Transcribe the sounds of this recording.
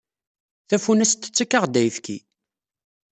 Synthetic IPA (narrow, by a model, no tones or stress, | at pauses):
θæfunæst̪ːə̥t͡sːækːəʁd̪æjfkḭ